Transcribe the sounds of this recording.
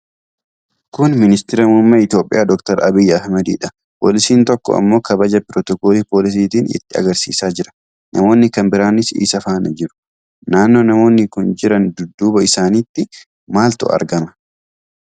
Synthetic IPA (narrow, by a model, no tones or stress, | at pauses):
kʊnmɪnɪst̪ɪɾɐmumːɐɪt̪jo̞ːpʼːɪ̰jʔaːd̪ɔkt̪ɐɾʔɐbɪjːɐɐhmɐd̪ḭːᶑɐ̥ | po̰ːlɪsiːnt̪ɔkːɔ̰ɐ̰mːo̞ːkɐbɐd͡ʒɐpɪɾɔt̪ɔkoːliːpo̞ːlɪs̬iːt̪iːnɪ̰t̪ːɪɐ̰ɡɐɾsḭːsaːd͡ʒɪɾɐ̥ | nʔɐmo̞ːnːɪkɐmbɪɾaːnɪsḭːsɐfaːnɐd͡ʒɪɾʊ̥ | naːnːo̞ːnɐmo̞ːnːɪkʊnd͡ʒɪɾɐnd̪ʊd̪ːuːbɐɪsaːniːt̪ːɪ | maːlt̪ʊ̰ɐ̰ɾɡɐmɐ̥